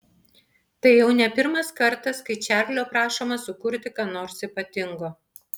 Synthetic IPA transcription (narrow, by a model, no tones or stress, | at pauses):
t̪ɐɪjɛʊnʲɛpʲɪɾmɐskɐɾt̪ɐskɐɪt͡ʃʲæːɾʲlʲoːpɾɑːʃoːmɐsʊkʊɾʲt̪ʲɪkɑːnoːɾsipɐt̪ʲɪŋɡoː